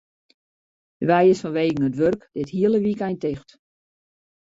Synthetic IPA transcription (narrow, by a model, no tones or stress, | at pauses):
dəʋɛjɪsfɔnʋeːɡəŋ̩ətʋørkd̥ɪthiəlˠəʋikɛjntɪxt